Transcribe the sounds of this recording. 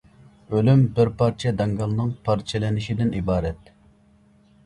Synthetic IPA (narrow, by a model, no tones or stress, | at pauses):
ølymbɪɾpʰɑɾt͡ʃʰɛd̪ɑŋɡɑlˠnɨŋpʰɑɾt͡ʃʰɛlɛnɪʃid̪ɪnibɑːɾɛt̪̚